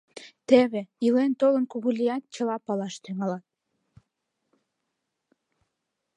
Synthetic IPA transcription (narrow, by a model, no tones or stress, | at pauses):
t̪eβeilent̪olənkuɣulʲijɑt̪̚t͡ɕə̆lɑpɑlɑʃt̪yŋɑlɑt̪̚